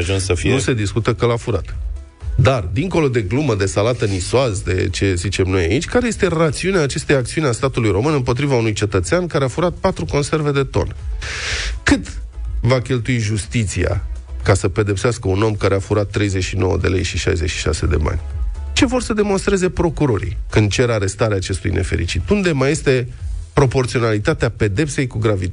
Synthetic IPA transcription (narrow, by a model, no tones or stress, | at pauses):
ʒunssəfinuse̞d̪iskut̪əkəlafuɾat̪ | d̪ard̪iŋko̞lo̞d̪e̞ɡluməd̪e̞salat̪ənisoazd̪e̞̰t͡ʃe̞zit͡ʃe̞mno̞jait͡ʃʲkaɾe̞je̞st̪e̞rat̪siuneaːt͡ʃe̞st̪ejaktsiuneast̪at̪ulujɾo̞mɨnɨmpo̞t̪ɾivaunujt͡ʃe̞t̪ət̪seankaɾeafuɾat̪̚pat̪ɾuko̞nse̞rve̞d̪e̞t̪o̞̰n | kɨt̪vakʲe̞lt̪uiʒust̪it̪sia̰kasəpe̞d̪e̞pseaskəuno̞mkaɾeafuɾat̪ːɾe̞jze̞ʃino̞wə̰d̪e̞le̞̰jʃiʃa̰jzet͡ʃʃi̥ʃa̰se̞d̪e̞̰ma̰nʲt͡ʃe̞vo̞rsəd̪e̞mo̞nst̪ɾe̞ze̞pɾo̞kuɾo̞ɾḭkɨnd̪̚t͡ʃe̞ɾaɾe̞st̪aɾeaːt͡ʃe̞st̪ṵjnʔe̞̰fe̞ɾḭt͡ʃit̪und̪e̞maje̞st̪e̞pɾo̞po̞rt̪sio̞nalit̪at̪eape̞d̪e̞pse̞jkuɡɾavi